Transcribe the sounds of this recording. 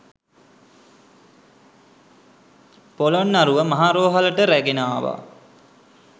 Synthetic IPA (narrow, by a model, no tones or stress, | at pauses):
polonːaɾuʋəmaɦaːɾoːɦaləʈəɾæɡenaːʋa̰